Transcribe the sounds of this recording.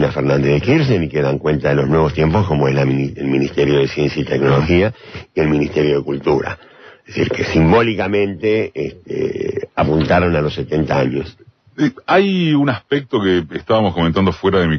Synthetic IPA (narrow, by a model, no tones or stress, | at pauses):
nafeɾnãnd̪ehðexiɾsenikeðaŋkwent̪aðelo̞znwe̞β̞o̞st̪jemposko̞moelaielminist̪eɾjo̞ðesje̞nsjait̪eɡno̞lo̞xiaie̞lmĩnist̪eɾjo̞ðekult̪uɾa̰ | eeðesiɾkesimbo̞likamẽ̞nt̪eest̪ḛapunt̪aɾo̞nalosːet̪e̞nt̪aaɲo̞s | eajunaspek̚t̪okeːst̪aβamoskomẽnt̪and̪ofweɾaðemi